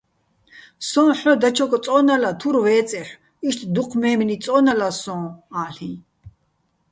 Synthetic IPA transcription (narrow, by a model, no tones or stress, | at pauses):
sɔ̃ːħɔd̪at͡ʃʰɔkʼɔt͡sʼɔnalat̪ʰuɾvɛːt͡sʼɛħ | iʃt̪ʰd̪uqʰmɛːmnit͡sʼɔnalasɔ̃ːaːɬĩ